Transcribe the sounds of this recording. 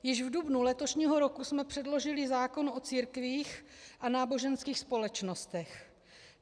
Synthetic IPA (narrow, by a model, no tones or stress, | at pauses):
jɪʒvdubnulɛt̪o̞ʃɲiːɦo̞ɾo̞kusmɛpr̝̥ɛdlo̞ʒɪlɪzaːko̞nʔo̞t͡siːɾkviːxʔanaːbo̞ʒɛnskiːxspo̞lɛt͡ʃno̞st̪ɛx